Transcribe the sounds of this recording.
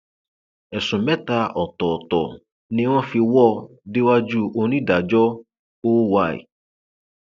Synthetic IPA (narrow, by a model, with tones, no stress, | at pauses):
ɛ˨sũ˨mɛ̃˦ta˧˦ʔɔ˨tɔ˨tɔ̰˨ | nĩ˦w̃ɔ̃˦fi˧wɔ˦˨ | de˦wa˦d͡ʒu˦o˧nĩ˦da˨d͡ʒɔ˦ | oː˦wa˦˨ḛ˨